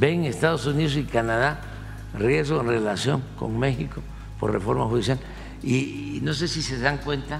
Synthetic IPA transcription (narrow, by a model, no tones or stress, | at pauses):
beŋest̪aðosuniðos̬ikanaða | rje̞zɣoenre̞lasjo̞̰ŋko̞̰ŋme̞xiko̞ | po̞̰rre̞̰fo̞ɾmaxuðisjal | ino̞s̬e̞sise̞ðaŋkwe̞nt̪a